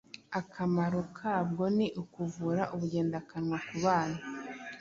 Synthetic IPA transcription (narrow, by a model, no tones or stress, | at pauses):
akʰamaɾokʰaːb̚ɡo̞niʔukuvuːɾaʔuβuɟe̞ːndakanŋwakuβaːna